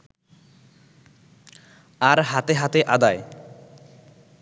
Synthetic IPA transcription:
aɾɦat̪eɦat̪eʔad̪ae

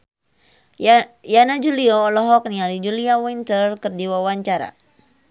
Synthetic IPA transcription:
janad͡ʒulioːlɔɦɔk̚nialid͡ʒuliawint̪ərkɨrdiwawaɲt͡ʃaɾa̰

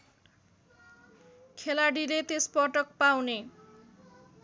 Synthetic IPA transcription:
kʰelaɽilet̪espʌʈʌk̚pawne

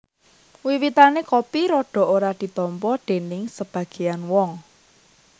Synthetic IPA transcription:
wiwit̪anekopiɾɔɖ̥ɔ̤oɾad̪̥i̤t̪ɔmpɔɖ̪̥e̤nɪŋsəb̥ä̤ɡ̥e̤janwɔŋ

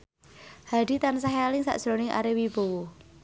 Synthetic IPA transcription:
had̥i̤t̪ansaɦealɪŋsa̰ʔʒ̥ɾonɪŋʔa̰ɾewib̥owɔ

